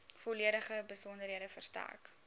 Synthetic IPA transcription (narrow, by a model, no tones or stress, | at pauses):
foliəɾəχəbəsɔndərɦiədəfərstæ̰rk